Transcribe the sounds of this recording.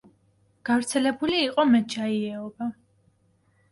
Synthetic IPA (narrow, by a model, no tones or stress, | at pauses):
ɡ̥avɾt̪sʰɛlɛbuliːqʼɔmɛt̪̚d͡ʒaiɛɔba